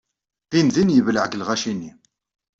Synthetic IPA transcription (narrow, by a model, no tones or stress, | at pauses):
inðinjəvləʕɡlʁæʃinːḭ